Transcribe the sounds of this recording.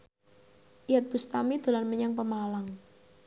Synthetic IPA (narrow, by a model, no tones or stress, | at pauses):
ʔijat̪̚b̥ust̪amid̪̥o̤lanməɲaŋpəmalaŋ